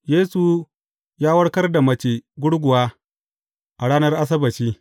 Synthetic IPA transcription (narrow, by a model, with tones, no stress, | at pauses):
jeː˦su˨ | jaː˦wɐ˦ɽkɐ˦rda˨mɐ˦t͡ʃeː˨ɡʷʊ˦ɽɡʷʊ˨waː˦ | ʔa˨ɽaː˦nɐ˦rʔa˦s̬ɐ˦bɐ˨t͡ʃiː˦